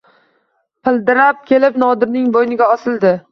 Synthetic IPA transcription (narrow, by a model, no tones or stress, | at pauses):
pʰɪld̪ɪɾap̚kʲʰe̞lɪpnɒd̪ɪɾnɪŋbojnɪɡʲaɒsɪlˠd̪ɪ